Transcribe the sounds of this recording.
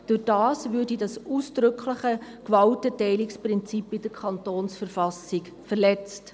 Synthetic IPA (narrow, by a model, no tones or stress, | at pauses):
d̥ʊd̥ɑːsvʉːrdidɑsuːsd̥ɾʏkʰləχəkvɑltətɛɪlɪksprɪnt͡sipɪd̥əkʰɑntoːnsfərfɑsɪk | fɛrlɛt͡st